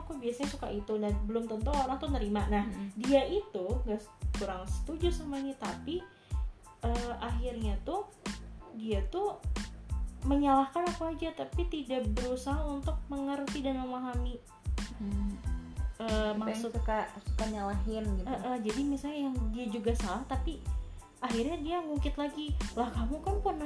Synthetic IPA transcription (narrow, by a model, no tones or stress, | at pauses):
akubiasaɲasukaʔit̪unahbəlʊmt̪ənt̪uoɾaŋt̪unəɾimanahdiaʔit̪uŋɡaʔkuɾaŋsə̥t̪ud͡ʒusamaɲat̪api | əʔaxirɲat̪u | diat̪u | məɲalahkanapaad͡ʒat̪apit̪idaʔbəɾusaɦaunt̪ʊk̚məŋərt̪idanməmaɦami | əmakukasu̥kaɲalaɦɪnɡiəʔəhd͡ʒadimisalɲajaŋdiad͡ʒuɡasalaht̪api | ʔaɦirɲadiaŋuŋkɪt̪laɡilahkamukanpən